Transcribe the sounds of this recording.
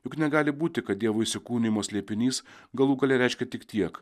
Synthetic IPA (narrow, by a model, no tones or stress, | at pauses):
jʊknʲɛɡɑːlʲɪbuːt̪ʲɪkɐt̪̚d̪ʲiɛʋoːɪsʲɪkuːnʲɪmoːsʲlʲiɛpʲɪnʲiːs | ɡɐlˠuːɡɐlʲɛɾʲɛɪʃʲkʲɛt̪ʲɪkt̪ʲiɛk